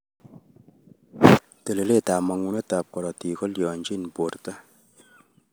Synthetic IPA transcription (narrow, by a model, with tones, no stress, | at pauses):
te˨le˨le˦˨ta˨ma˨ŋu˨˦ne˦ta˨p̚kɔ˨ɾɔ˨ti˨kɔ˦ljɔ˨nd͡ʒi˦˨nbo˨ɾta˦